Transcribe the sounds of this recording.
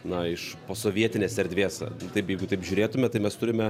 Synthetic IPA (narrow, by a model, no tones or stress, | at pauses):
nɐɪʃpoːsoːʋʲiɛt̪ʲɪnʲeːsʲɛɾʲd̪ʲʋʲeːsɐ̰t̪ɐɪpjɛɪɡʊt̪ɐɪpʒʲuːɾʲeːt̪ʊmʲɛt̪ɐɪmʲɛst̪ʊɾʲɪmʲɛ